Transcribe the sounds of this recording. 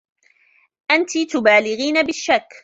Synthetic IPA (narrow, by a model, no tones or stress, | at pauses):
ʔant̪it̪ʊbaːlɪɣiːnabɪʃːakː